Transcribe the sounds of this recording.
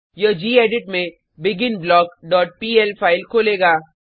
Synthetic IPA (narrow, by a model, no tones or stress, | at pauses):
jəd͡ʒiːeːɖɪʈmẽ | bɪɡɪnblɔːkɖɔːʈ̚piːɛlpʰaːɪlkʰoːleːɡaː